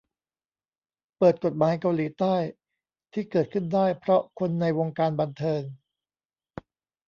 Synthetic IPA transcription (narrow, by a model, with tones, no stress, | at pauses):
pɤː˨˩t̪̚ko˨˩t̪̚maː˩˦jka˧wliː˩˦t̪aː˥˩j | t̪ʰiː˥˩kɤː˨˩t̪̚kʰɯ˥˩ndaː˥˩jpʰɾɔ˦˥kʰo˧nːa˧jwo˧ŋkaː˧nba˧nt̪ʰɤː˧ŋ